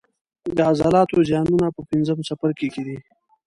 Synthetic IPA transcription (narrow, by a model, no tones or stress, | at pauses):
d̪əazɑlɑt̪ozjɑnunapəpɪnzəmsafaɾkeked̪i